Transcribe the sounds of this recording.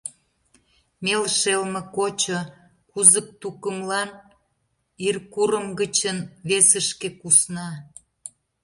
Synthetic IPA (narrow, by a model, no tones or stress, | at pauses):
melʃelmə̆kot͡ɕo | kuzək̚t̪ukə̆mlɑn | irkuɾəmɡət͡ɕənβesəʃkekusnɑ